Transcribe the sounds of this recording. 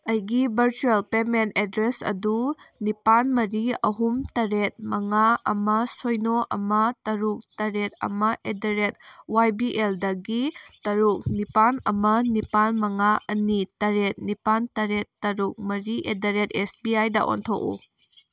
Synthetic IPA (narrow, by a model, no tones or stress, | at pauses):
ɐjɡibʱɐɾt͡ʃuelpementedɾesɐ̰dunipanmɐɾiɐ̰ɦumtɐɾet̚mɐŋaɐmɐsojnoʔɐ̰mɐtɐɾuk̚tɐɾet̚ɐ̰mɐʔedɐɾet̚wajbiʔeldɐɡitɐɾuk̚nipanɐ̰mɐnipanmɐŋaʔɐnitɐɾet̚nipantɐɾetːɐɾuk̚mɐɾiʔedɐɾetesbiajdɐ̰ʔo̰ntʰo̰kṵ